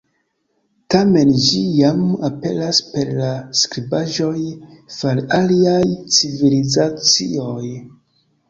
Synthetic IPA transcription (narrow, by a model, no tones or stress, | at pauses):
tame̞nd͡ʒijamape̞̰laspe̞ɾlaskɾibaʒo̞jfalaliajt͡sivilizat͡sḭo̞j